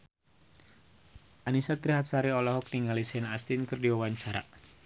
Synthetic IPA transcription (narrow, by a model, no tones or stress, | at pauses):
ʔanisat̪ɾiɦat̪̚saɾiɔlɔɦɔk̚niŋalisnast̪inkɨrdiwawaɲt͡ʃaɾa̰